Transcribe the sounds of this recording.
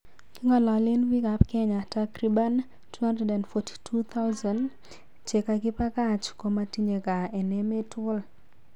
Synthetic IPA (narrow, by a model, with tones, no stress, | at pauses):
ki˦ŋɔ˨lɔ˨lɪ˦nwi˦ka˨pkɛ˦ɲa˨takɾi˦ba˦n | tʰu˦ha˦ndɾɛ˨da˨ndfɔtʰi̥tʰu˦t̪ʰa˦wzɔ˨n | t͡ʃe˨ka˨ɡɪ˦pa˦ka˦t͡ʃko˦ma˦ti˦ɲe˨ka˨ɛ˨nɛ˦me˦tʰʊ˦l